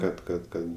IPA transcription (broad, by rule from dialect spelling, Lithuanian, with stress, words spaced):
kɐt kɐt ˈkɐt